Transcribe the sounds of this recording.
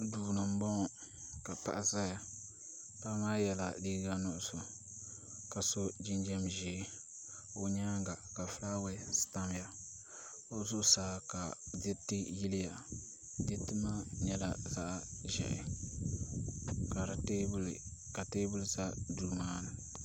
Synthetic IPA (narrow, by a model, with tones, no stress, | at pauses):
duː˨nɨ˨m̩˦bɔ˦ŋ˨ | ka˨pa̰˦ʔa˦za˦ja˨ | pa˦maː˦jɛ˦la˨liː˦ɡa˦nʊ˦ʔʊ˨sʊ˨ | ka˨so˦d͡ʒi˦nd͡ʒɛ˦mʒeː˨˦ | o˨ɲa˦ŋɡa˨ka˨fla˦wɛ˦sɨ̥˨ta˦m˨ja˨ | o˦zʊ˦saː˦ka˨dɪ˦tːɪ˦ji˦lɪ˦ja˨ | dɪ˦tɨ˦ma˦ɲɛ˦la˨za̰˦ʔʒɛ̰˨ʔɪ̰˨ | ka˨ɾa˨te˦blka˨teː˦bʊ˦lza˦duː˦maː˦nɨ˨